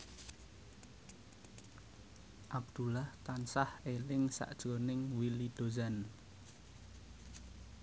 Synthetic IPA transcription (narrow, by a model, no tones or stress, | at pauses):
ʔab̚d̪̥ulaht̪ansahelɪŋsa̰ʔd̥ʒ̥o̤nɪŋwilid̪̥o̤zan